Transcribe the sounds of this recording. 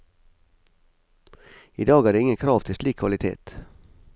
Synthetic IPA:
ḭːd̪ɑːɡæːɖeːɪŋəkʰɾɑːʋt̪ʰɪsliːkʰʋɑlɪt̪ʰḛːt̪

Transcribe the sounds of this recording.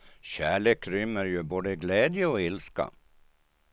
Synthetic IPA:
ɕæːɭeːkɾʏmːəɾjɵboːd̪əɡlɛːd̪jəɔɪlska̰

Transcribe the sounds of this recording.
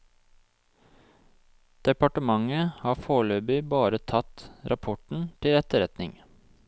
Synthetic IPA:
d̪̥ɛpɑʈəmɑŋəhɑːfoːɭøːbʏbɑːɾət̪ʰɑt̪ɾʔɑpʰɔʈɳ̩t̪ʰɪlɛt̪əɾɛt̪nɪŋ

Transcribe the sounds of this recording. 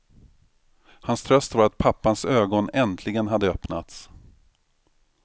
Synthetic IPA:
hanst̪ʰɾœst̪vaɾat̪̚pʰapːansøːɡɔnɛnt̪ʰlɪɡənɦad̪ːəœpna̰t̪s

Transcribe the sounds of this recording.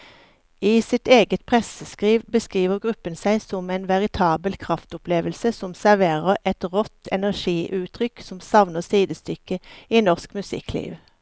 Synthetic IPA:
iːsɪt̪eːɡət̪̚pʰʁɛsəskʁiːʋbəskʁiːʋəʁɡʁʉpənsæɪsɔmɛːnʋɛʁɪt̪ʰɑːbəlkʰʁɑft̪ʊpleːʋəlsəsɔmsæʁʋeːʁəʁɛt̪ʁɔt̪ʰɛnæʁʃiːʔʉːt̪ʰʁʏksɔmsɑʋnəʁsiːd̪əst̪ʏkəiːnɔʁskmʉsɪ̰kʰlḭːʋ

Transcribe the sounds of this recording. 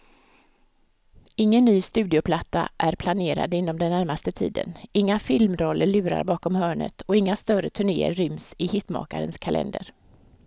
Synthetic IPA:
ɪŋːənːyːst̪ʉ̟ːd̪ɪʊpʰlat̪ːa̰ʔæɾpʰlaneːɾa̰d̪ɪnːɔmd̪ɛnːæɾmast̪ət̪ʰḭːd̪ə̰nɪŋːafɪlmɾɔlːəɭʉ̟ːɾa̰ɾbɑːkɔmhœːɳə̰t̪ʰɔɪŋːast̪œɾət̪ʰɵɳḛːə̰ɾːʏmsɪhɪt̪mɑ̰ːkaɾənskʰalʔɛ̰nd̪əɾ

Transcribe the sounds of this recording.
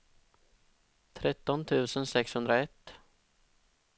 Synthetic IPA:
t̪ʰɾɛt̪ːɔnt̪ʰʉ̟ːsənsɛkshɵnd̪ɾaɛt̪ː

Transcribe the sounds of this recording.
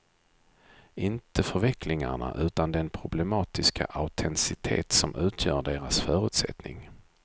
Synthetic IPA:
ɪnt̪əfœɾvɛklɪŋaɳa̰ʔʉ̟ːt̪and̪ɛnpʰɾʊblɛmɑːt̪ɪskʰa̰ʔaʊt̪ʰɛnsɪt̪ʰḛːt̪sɔmʔʉ̟ːt̪ʰjœːɖeːɾasfœːɾɵ̟ːt̪sɛ̰t̪nɪ̰ŋ

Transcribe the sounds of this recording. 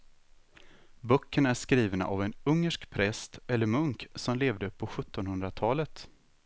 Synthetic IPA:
bœkːəɳæʂkɾiːvna̰ʔavɛnɵŋːəʂkpʰɾɛst̪ɛlːəɾmɵŋksɔmleːvd̪əpʰɔɧɵt̪ːɔnhɵnd̪ɾat̪ʰɑːlət̪

